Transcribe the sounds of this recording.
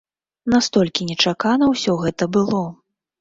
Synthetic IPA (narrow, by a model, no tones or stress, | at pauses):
nast̪ɔlʲkʲinʲɛt͡ʂakanɐwsʲɔɣɛt̪ɐbɨlˠɔ